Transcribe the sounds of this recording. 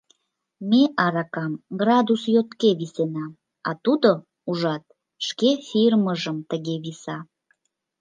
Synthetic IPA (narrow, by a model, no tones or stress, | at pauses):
meʔɑɾɑkɑmɡrɑd̪usjot̪keβisenɑ | ɑt̪ud̪o | uʒɑt̪̚ | ʃkefirməʒəmt̪əɣeβisɑ